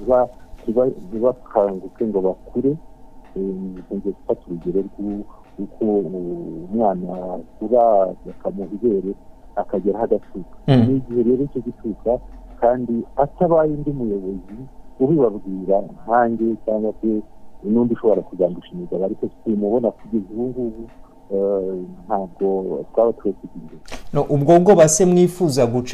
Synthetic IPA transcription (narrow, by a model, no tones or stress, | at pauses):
iβaniβaniβakʰaŋɡuke̞ŋɡo̞βakʰuɾe̞ | eɲeku̥fatuɾuɟeɾe̞ɾɡu | uko | mŋaːnakuɾaakamuɦiβe̞ːɾe̞akaɟeɾahaɡat͡ʃukḁniɟihe̞ɾe̞ːɾoico̞ɟit͡ʃukakaːndiataβajindiumujo̞βo̞ziuβiβabɡiːɾaŋhaːɲɡe̞t͡ʃaːŋɡwase̞inuːndiʃo̞βo̞ɾakuzaːnduʃimizaβaɾikotu̥timuβo̞nakuɟe̞zuwuŋɡuβu | n̥haːbɡo̞twaːβatuhekiɡiːndenoʔubɡo̞ːɡo̞βase̞mŋiːfuːzaɡut͡ʃ